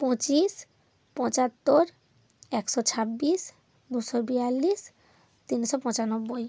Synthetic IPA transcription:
pɔ̃t͡ɕis | pɔ̃t͡ɕat̪ːoɾ | ɛksɔt͡ɕʰabːis | d̪uʃobijalːis | t̪iniʃopɔ̃t͡ɕanobːoj

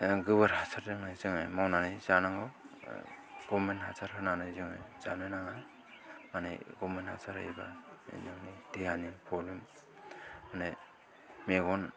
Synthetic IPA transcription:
ɡɯbaɾhasʰaɾɯŋajzɯŋajmawnanɯjzanaŋɔ | ɡ̥ɔmenthasaɾhɯnanajzɯŋɯ̰jzanajnaŋa | mana̰jɡɔmenha̰sʰaɾa̰jba̰ḛnɯŋnideɦanipʰɔlim | mane | meɡɔn

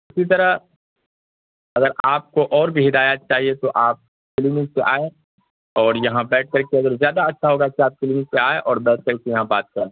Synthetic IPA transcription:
ɪsit̪̬ɐɾə | ɐɡəɾaːp̚koʔɔːɾbʱiɦɪd̪aːjat̪̚t͡ʃaːɦiet̪oʔaːp̚ | kɪlɪnɪkseʔaːẽ | ɔːɾjɐɦãbɛːʈ̚ʰkɐɾkeɐɡəɾzjaːd̪aɐtːʃʰaɦoːɡakiaːp̚klɪnɪk̚seaːeʔɔːɾbɛːʈ̚ʰkɐɾsejɐɦãbaːt̪̚kɐɾẽː

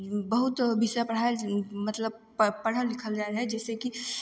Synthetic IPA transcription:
bɐɦʊt̪bisapɾɐɦaːimɐt̪ləb̚ | pɐɽ̤əlɪkʰəld͡ʒaːɾɦɛd͡ʒɛːseki

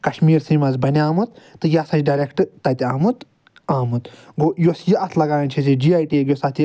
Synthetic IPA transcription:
kɐʃmiːɾsiːmɐzbɐnʲaːmut̪ːɨjasɐt͡ʃɖɐɾekʈɨt̪ɐt̪ʲaːmut̪ | aːmut̪ɡojosjiʔɐt̪ʰlɐɡaːɾɐnʲt͡ʃʰisid͡ʒiːaːjʈiɡjosɐt̪i

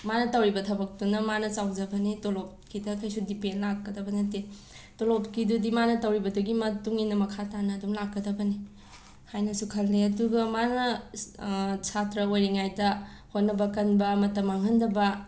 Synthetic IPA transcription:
manɐtɐwɾibɐtʰɐbɐk̚tunɐmanɐt͡ʃawd͡ʒɐbɐnitolop̚kidɐkʰɐjsudipenlakːɐdɐbɐnɐte | tolopkidudimanɐtɐwɾibɐduɡimɐtuŋinɐmɐkʰatanɐːdumlakːɐdɐbɐni | hajnɐsukʰɐlːeɐduɡɐmanɐ | sʰatɾɐojɾiŋajdɐ | hotnɐbɐkɐnbɐmɐtɐmaŋɦɐndɐbɐ

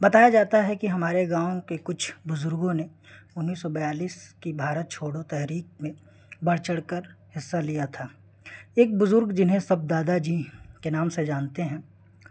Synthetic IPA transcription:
bɐt̪aːjad͡ʒaːt̪aɦɛkiɦɐmaːɾeɡãːõkekʊt͡ʃʰbʊzʊɾɡõne | ʊnːiːsːɔbɐjaːliːskibʱaːɾət̪̚t͡ʃʰoːɽot̪ɛɦɾiːk̚mẽ | bɐɽ̤t͡ʃəɽkəɾhɪsːalijat̪ʰaː | eːk̚bʊzʊɾɡd͡ʒɪnɦẽsɐb̚d̪aːd̪ad͡ʒiːkenaːmsed͡ʒaːnt̪eɦɛ̃ː

